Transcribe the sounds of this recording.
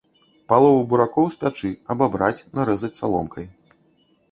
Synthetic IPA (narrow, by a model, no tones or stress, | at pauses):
palˠɔvubuɾakɔwsʲpʲat͡ʂɨɐbabɾat͡sʲnaɾɛzɐt͡sʲsalˠɔ̰mkʰɐj